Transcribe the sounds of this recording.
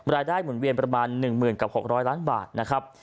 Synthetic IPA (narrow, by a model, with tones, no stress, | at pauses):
ɾaː˧jdaː˥˩jmu˨˩˦nwi˧ənpɾa˧maː˧nːɯ˨˩ŋmɯː˨˩nka˨˩p̚ho˨˩k̚ɾɔː˦˥jlaː˦˥nba̰ː˨˩t̪̚na˦˥kʰɾa˦˥p̚